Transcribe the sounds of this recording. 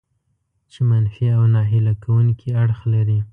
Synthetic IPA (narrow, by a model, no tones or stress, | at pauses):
t͡ʃemanfiawnɑɦɪlakʰawuŋkʰiaɽxlaɾi